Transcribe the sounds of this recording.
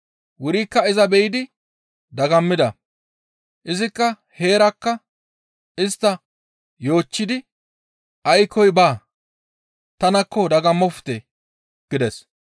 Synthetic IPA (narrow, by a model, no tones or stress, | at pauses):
wʊɾiːkːɐɪzɐbɛjɪd̪ɪ | d̪ɐɡɐmːɪd̪ɐ | ʔɪzɪkːɐ | he̞ːɾɐkːɐ | ɪst̪ːɐ | jo̞ːt͡ʃːɪd̪ɪ | ʔɐjkʰɔjbaː | t̪ɐnɐkːɔd̪ɐɡɐmːɔft̪e | ɡ̥ɪd̪ɛs